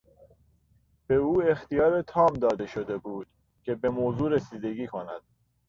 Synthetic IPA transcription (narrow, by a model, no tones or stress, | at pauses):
b̥e̞uːe̞xt̪ijɒːɾet̪ʰɒːmd̪ɒːd̪e̞ʃod̪e̞buːd̪̥ | cʰe̞be̞moːzuːɾesiːd̪e̞ɟiːkʰonæ̰d̪̥̚